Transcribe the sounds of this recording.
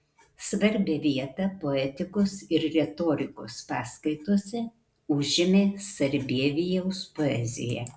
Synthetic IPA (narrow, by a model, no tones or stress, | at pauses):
sʋɐɾʲbʲɛʋʲiɛt̪ɐpoɛt̪ʲɪkʊsɪɾɾʲɛt̪oːɾʲɪkʊspɑːskɐɪt̪usʲɛ | ʊʒʲɪmʲeːsɐɾʲbʲiɛʋʲijɛʊspoɛ̰zʲɪ̰jɛ̰